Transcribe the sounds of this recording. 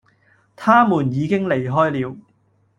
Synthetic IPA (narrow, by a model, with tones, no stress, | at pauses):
t̪ʰaː˥muː˨˩njiː˨˧kɪ˥ŋle˨˩jɦɔː˥jliː˨˧w